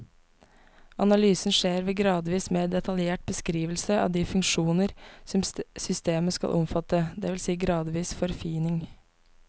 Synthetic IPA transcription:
ɑnɑlyːsn̩ʂeːɾʋeːɡɾɑːd̪ʋiːsmeːd̪ɛt̪ʰɑljeːʈ̚bəskɾiːʋəlsəʔɑ̰ːʋd̪iːfʉŋʂuːnəɾsɔmsʏst̪eːməskɑ̰ʔɔ̰mfɑt̪əd̪ɛʋɪlsiːɡɾɑːd̪ʋiːsfɔɾfiːnɪŋ

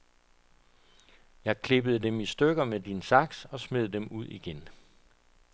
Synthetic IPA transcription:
jɑ̈ɪkʰle̝b̥əð̞̩ˠd̥emisd̥øɡ̥ɐmed̥insɑ̈ɡ̥sɒ̽sme̝ð̩ˠd̥emuð̞̰ˠiɡ̥en

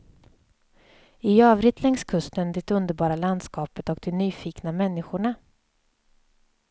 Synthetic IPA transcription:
ɪøːvɾɪt̪lɛŋskʰɵst̪ənd̪ɪt̪ɵnd̪əɾbɑːɾaland̪skɑːpət̪ɔk̚d̪ɛnyːfiːknamɛnːɪɧʊɳa

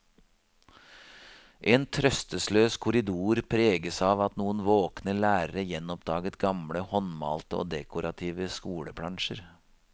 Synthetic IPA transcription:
ʔeːnt̪ʰɾœst̪əsløːskʰʊɾɪd̪uːɾpʰɾeːɡəsɑːʋɑt̪nuːənʋoːknəlæːɾəɾəjɛnɔpd̪̥ɑːɡət̪ɡɑmɽəhɔnmɑ̰ːlt̪əo̰ːd̪ɛkʊɾɑt̪ʰiːʋəskuːləpʰɽɑŋʃəɾ

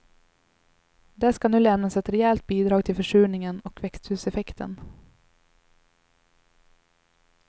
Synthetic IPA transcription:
d̪ɛskanʉːlɛmnasɛt̪ɾɛɛlt̪̚biːd̪ɾɑːɡ̚t̪ʰɪlfœʂʉːɳɪŋənɔkʰvɛkst̪hʉːsɛfɛkt̪ʰə̰n

